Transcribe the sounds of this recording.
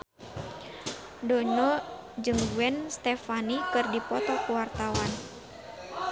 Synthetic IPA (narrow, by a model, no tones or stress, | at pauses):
dɔɲɔ | d͡ʒɨŋɡuɛnst̪ɛfanikɨrdipɔt̪ɔkuwart̪awan